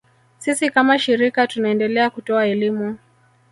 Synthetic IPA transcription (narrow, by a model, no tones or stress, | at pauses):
sisikamaʃiɾikatunaɛndɛlɛakutɔaɛlimu